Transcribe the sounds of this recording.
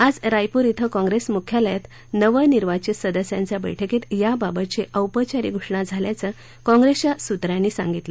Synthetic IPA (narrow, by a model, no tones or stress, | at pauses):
ad͡zɾajpuɾit̪ʰəkɔ̃ŋɡɾesmukʰjaləjat̪ | nəʋəniɾʋat͡ɕesəd̪əsjãɲt͡sjabə̰jʈʰeket̪jababət̪̚t͡seʔəwpət͡ɕaɾḭːɡʱuʂɳad͡zʱaljat͡sə | kɔ̃ŋɡɾesjasut̪ɾanːiːsã̰ŋɡit̪lə